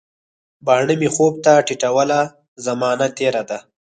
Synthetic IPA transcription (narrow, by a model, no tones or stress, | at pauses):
bɑːɳəmixob̚t̪aʈiʈawəla | zamɑːnat̪eɾad̪a